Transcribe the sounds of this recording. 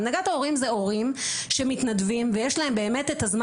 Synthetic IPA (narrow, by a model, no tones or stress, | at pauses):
naɡat̪ao̞ʁimzeo̞ʁimʃe̞mitnadvimvejeʃlae̞mbe̞ːme̞t̪etazm